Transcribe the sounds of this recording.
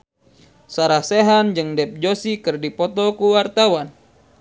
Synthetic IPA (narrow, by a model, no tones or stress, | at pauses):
saɾahseɦand͡ʒɨŋdɛp̚d͡ʒosikɨrdipɔt̪ɔkuwart̪awan